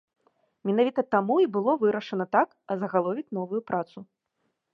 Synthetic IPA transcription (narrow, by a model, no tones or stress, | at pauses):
mʲinavʲit̪ɐt̪amuibɨlˠɔvɨɾɐʂɐnɐt̪ak | ɐzɐɣalˠɔvʲit͡sʲn̪ɔvujupɾʔat̪su